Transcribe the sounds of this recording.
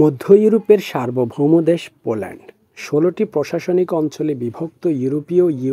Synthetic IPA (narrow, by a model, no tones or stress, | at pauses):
mod̪ʱːojuɾopeɾʃaɾbobʱomod̪eʃpolɛ̰ɳɖ | ʃoloʈipɾoʃaʃonikɔnt͡ɕolebibʱok̚t̪ojuɾopioju